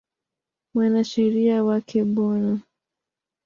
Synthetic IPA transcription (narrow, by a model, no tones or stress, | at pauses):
mwanaʃɛɾiawakʰɛɓɔna